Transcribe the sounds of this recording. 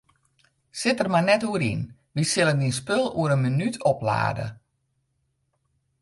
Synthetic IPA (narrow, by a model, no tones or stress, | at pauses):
sɪtərmanɛtuəɾḭn | ʋisɪləndinspølˠṵəɾənmənytʰɔpla̰ːdə̰